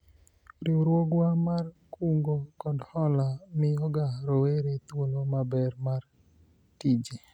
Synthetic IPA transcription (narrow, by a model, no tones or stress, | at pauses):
ɾɪwɾwoɡwamarkuŋɡokɔdhɔlamɪjɔɡaɾoweɾet̪wolomabɛrmar | tid͡ʒi